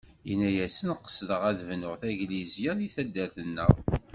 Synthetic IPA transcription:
jənæjæsənqːə̥sðəʁæðvnʊʁθæʝlizjæðiθæd̪ːæθənːəʁ

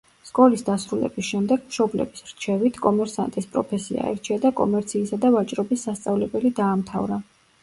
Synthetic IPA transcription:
skʼɔlisd̪asɾulɛ̰bisʃɛmd̪ɛɡ̥mʃɔblɛ̰bisɾt͡ʃʰɛvit̪ʰkʼɔmɛɾsa̰nt̪ʼispʼɾɔpʰɛsḭa̰ɛ̰ɾt͡ʃʰiad̪akʼɔ̰mɛɾt̪sʰiːsad̪avat͡ʃʼɾɔbisːast̪sʼavlɛbɛlid̪aːmt̪ʰavɾa

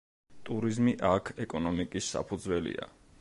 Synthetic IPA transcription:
t̪ʼuɾizmiʔakʰɛkʼɔnɔmikʼisːa̰pʰud̪zwɛlḭa̰

